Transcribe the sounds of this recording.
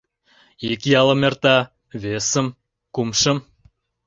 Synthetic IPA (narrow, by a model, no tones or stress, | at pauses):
ikjɑlə̆mert̪ɑ | βesə̆m | kumʃə̆m